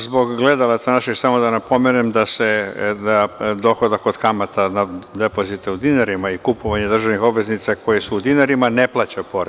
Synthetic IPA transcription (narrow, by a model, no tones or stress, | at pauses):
zbo̞ɡɡle̞d̪alˠat̪sanaʃiksamo̞d̪anapo̞menemd̪ased̪ad̪o̞xo̞d̪ako̞d̪kamat̪anad̪e̞po̞zit̪eud̪inaɾimaikupoʋaɲed̪r̩ʒaʋnixo̞bʋe̞znit̪sako̞jisuːd̪inaɾimane̞plˠat͡ɕapo̞ɾe